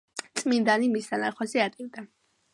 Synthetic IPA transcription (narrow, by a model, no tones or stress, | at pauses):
t̪sʼmind̪animisd̪anaχwasiat̪ʼivd̪a